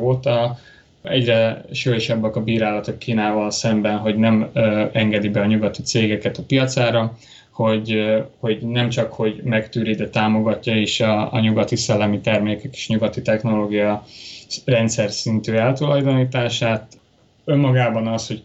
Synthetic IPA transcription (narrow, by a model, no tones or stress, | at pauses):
oːt̪ɒ | ɛɟrɛʃojoʃɒbːɒkɒbiːɾaːlɒt̪okkːiːnaːvɒlsɛmbɛnɦo̞ɟnɛmɛŋɡɛd̪ibɛɒɲuɡɒt̪it̪seːɡɛkɛt̪ɒpijɒt̪saːɾɒ | ho̞ɟho̞ɟnɛmt͡ʃɒkho̞ɟmɛkt̪yːɾid̪ɛt̪aːmo̞ɡɒcːɒiʃɒːɲuɡɒt̪isɛlːɛmit̪ɛrmeːkɛke̥ːʃɲuɡɒt̪it̪ɛxno̞loːɡijɒ | rɛnt̪sɛrsint̪yːɛlt̪ulɒjd̪oniːt̪aːʃaːt̪ | ø̞mːɒɡaːbɒnɒsho̞ɟ